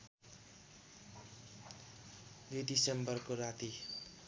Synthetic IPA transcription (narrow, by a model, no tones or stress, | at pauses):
ded̪isembʌrkorat̪i